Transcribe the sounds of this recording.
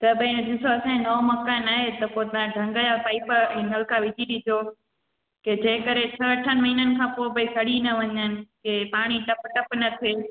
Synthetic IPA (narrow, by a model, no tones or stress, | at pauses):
t̪ɐbɐ̃d̪ɪsoɐsãːnɐomɐkaːnaːɦet̪ɐpot̪ɐãɖʱɐ̃ŋɡəjapaːipəɾɛ̃nɐlkaʋɪd͡ʑiɾid͡ʑo | ked͡ʑeːkɐɾet͡ɕʰɐɐʈʰənɪmɐɦiːnənɪ̆kʰãːpoːbɐikʰɐɽinɐʋɐɲənɪ̆kepaːɽ̃iʈɐpʈɐpnɐt̪ʰieː